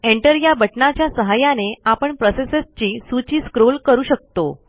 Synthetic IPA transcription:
eɳʈəɾjabəʈɳat͡ɕjasəɦajaneapəɳpɾosesest͡ɕiːsut͡ɕiːskɾolkəɾuːɕək̚t̪o

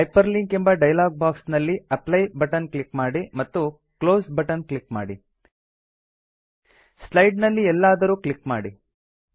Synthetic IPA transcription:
pɐjpɐɾliŋkembɐɖɐjlaːɡ̚baːksnɐlːiɐplɐjbɐʈɐnklikmaːɽimɐt̪ːu | klo̞ːsbɐʈɐnklikmaːɽi | slɐjɖnɐlːiɛlːaːd̪ɐɾuːklikmaːɽi

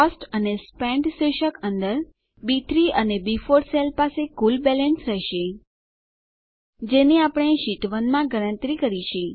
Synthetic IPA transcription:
ɔsʈənespɛ̃ɳɖsʋeʃəkənd̪əɾ | bit̪ʰɾiʔənebifoɾselpasekulbɛlənsɾɛɦʃe | d͡ʒeniapəɳ̃eʃiʈʋənmãɡəɽ̃ə̃nt̪ɾikəɾiʃe

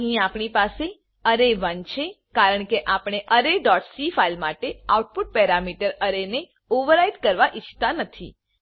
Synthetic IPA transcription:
ɦĩapɳipase | əɾeʋənt͡ʃʰe | kaɾəɳkeʔapɳ̃eʔəɾeɖɔʈsifailmaʈeauʈ̚puʈ̚pɛɾamiʈəɾəɾene | oʋəɾaiʈ̪kəɾʋaʔit͡ʃʰt̪anət̪ʰḭ

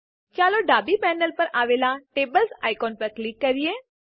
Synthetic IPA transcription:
t͡ʃaːloɖaːbipɛːnəlpəɾaːʋeːlaʈeːbəlsaːɪkɔːnpəɾklɪkːəɾijeː

